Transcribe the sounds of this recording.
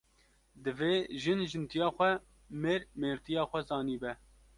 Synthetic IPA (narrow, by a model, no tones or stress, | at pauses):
d̪ɨveːʒɨnʒɨnt̪ijɑːxʷɛ | meːɾmeːɾt̪ijɑːxʷɛzɑːniːbɛ